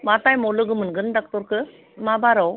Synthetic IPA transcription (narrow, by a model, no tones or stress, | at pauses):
mat̪aːjmoluɡɯmɯnɡɯndɐk̚t̪oɾkɯ | maːbaːɾɐw